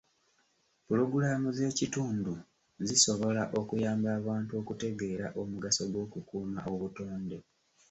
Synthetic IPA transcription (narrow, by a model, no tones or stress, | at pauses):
pulo̞ɡulamuze̞ːcituːndu | ziso̞βo̞laʔo̞kujaːmbaːβaːntuo̞kute̞ɡe̞ːɾa̰ʔomuɡasoɡwo̞ːkukuːma̰ʔoβuto̞ːnde